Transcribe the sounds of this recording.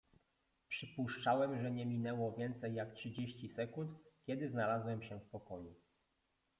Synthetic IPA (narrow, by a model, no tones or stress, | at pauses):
pʂɘpuʂt͡ʂawɛmʐɛɲɛmʲinɛwɔvʲjɛnt̪sɛjːaktʂɘd͡ʑeɕt͡ɕisɛkunt̪kʲjɛd̪ɘznalazwɛmɕɛfpɔkɔju